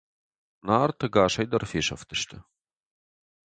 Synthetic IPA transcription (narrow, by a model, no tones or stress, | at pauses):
naːrt̪ʰɐɡaːʃɐjd̪ɐrfeːʃɐ̰ft̪ʰɨʃt̪ʰɨ